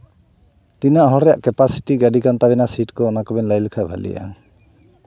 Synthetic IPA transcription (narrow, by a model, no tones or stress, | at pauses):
t̪inaʔɦɔɾɛjaʔkɛpasi̥ʈiɡaɖikant̪aβɛnasiʈkɔːnakɔbɛnlajlɛkʰabʱa̰lḭja̰ŋ